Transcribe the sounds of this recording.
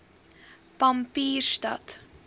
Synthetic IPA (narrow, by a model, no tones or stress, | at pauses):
pɐmpiːrstɐ̰t